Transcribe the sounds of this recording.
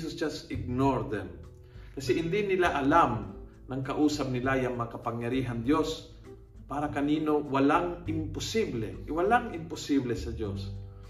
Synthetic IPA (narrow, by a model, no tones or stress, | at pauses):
sʊsd͡ʒasɪɡ̚noɹd̪ɛm | kɐsɛhɪnd̪ɪnɪlaʔɐlam | nɐŋkɐʔuːsɐp̚nɪlajaŋmɐakɐpaŋjɐɾiːɦand̪jo̞s | paːɾɐkɐniːno̞wɐlaŋʔɪmpʊsiblɛʔwalaŋɪmpʊsiblɛsɐd̪os